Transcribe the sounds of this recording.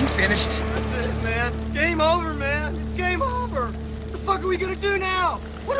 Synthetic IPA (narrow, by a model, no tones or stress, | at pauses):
jɨfɪ̃nɨʃtsɪ̃mæ̃nɡ̥ẽɪ̃moʊvə˞mæ̃nɡ̥ẽɪ̃moʊvə˞ | ðəfʌkə˞wiɡʌnɨdɨnaʊ | wʌɾ